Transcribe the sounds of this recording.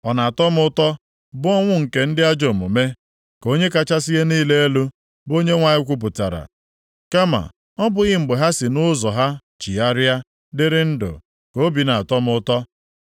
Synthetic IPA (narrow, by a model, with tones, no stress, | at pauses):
ɔ˨na˨a˨tɔ˦mʊ˦tɔ˦ | bʊ˦ɔ˦ŋʷʊ˦ŋ̩˨ke˨n̩˦dɪ˦a˦d͡ʒo˨mu˨me˦ | ko˦ɲe˦ka˦t͡ʃa˦si˦ɣe˦niː˦le˦e˦lu˦ | bo˦ɲe˦ŋʷa˨ɲɪ˦kʷu˦p̬ʊ˨ta̰˨ɾa̰˨ | ka˦ma̰˨ | ɔ˦bʊ˨ɣɪ˦m̩˨ɡ͡be˨ɦa˦sɪ˨nʊ˦zɔ˨ɦa˦ | t͡ʃi˨a˦ɾa˦ | dɪ˦ɾɪ˦n̩˦dʊ̰˨ | ko˦bi˨na˨a˨tɔ˦mʊ˦tɔ˦